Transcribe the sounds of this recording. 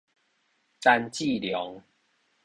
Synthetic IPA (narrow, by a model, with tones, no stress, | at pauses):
t͡sa˦˧nt͡ɕi˥˨ljɔ˨˦ŋ